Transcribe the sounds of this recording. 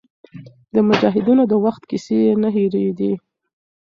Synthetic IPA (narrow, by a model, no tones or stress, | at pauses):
d̪əmʊd͡ʒɑɦɪd̪inod̪əwaxt̪kiseenaɦeɾed̪i